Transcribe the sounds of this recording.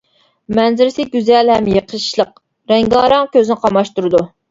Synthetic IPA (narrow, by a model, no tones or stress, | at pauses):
mɛnzɪɾɪsɪɡʲyzɛlhɛmjəqʰəʃlˠəq̚ | ɾɛŋɡɑːɾɑŋkʲøzɪnɪqʰɑmɑʃt̪uɾɨd̪u